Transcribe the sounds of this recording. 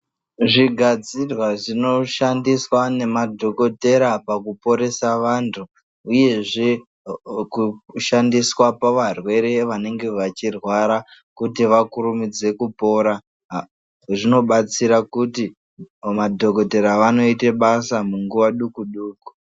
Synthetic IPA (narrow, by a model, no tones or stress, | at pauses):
ʐiɡʱad͡zirwaʐino̞ʃandiswane̞madʱo̞ko̞te̞ɾapakupo̞ɾe̞saʋantʰuː | je̞ʐe̞ | kuʃandiswapaʋarwe̞ɾe̞ʋane̞ŋɡe̞ʋat͡ʃirwaɾa | kutiʋakuɾumid͡ze̞kupo̞ɾa | ʐino̞ɓat͡siɾakuti | madʱo̞ko̞te̞ɾaʋano̞iteɓasamuŋɡuʋaɗukuɗuːku̥